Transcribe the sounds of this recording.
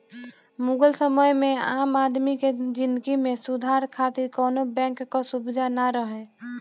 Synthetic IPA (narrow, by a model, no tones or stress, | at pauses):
muɡəlsəməjmẽaːmaːd̪miked͡ʒɪ̃nd̪əɡimẽsud̪ʱaːɾkʰat̪ɪɾkɔːnobɛ̃ːŋkːasubɪd̪ʱanaɾəɦɛ